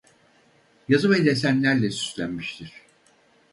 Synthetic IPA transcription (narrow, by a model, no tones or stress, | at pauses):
jazɯmejlʲɛsænlʲæɾlʲɛsy̥slʲænmiʃt̪ʰiɾ̥